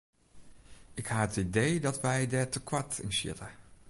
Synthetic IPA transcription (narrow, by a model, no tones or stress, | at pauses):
ɪkhaːətidejdɑtʋɛjdɛɹtəkʋɑɹtɪ̰nʃɪ̰tə